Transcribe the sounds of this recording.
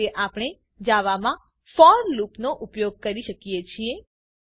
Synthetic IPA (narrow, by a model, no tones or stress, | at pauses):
eʔapɽ̃e | d͡ʒaʋamã | fɔɾlupnoʔʊpjoɡ̚kəɾiʃəkijet͡ʃʰie